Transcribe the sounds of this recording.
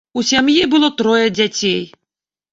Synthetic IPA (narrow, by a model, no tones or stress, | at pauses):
usʲamjibɨlˠɔt̪ɾɔjɐd͡zʲat͡sʲej